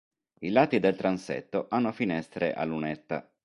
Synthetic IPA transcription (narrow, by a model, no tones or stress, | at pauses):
ilat̪id̪elt̪ɾansḛt̪ːoʔanːofinɛst̪ɾḛʔa̰lːunɛt̪ːa̰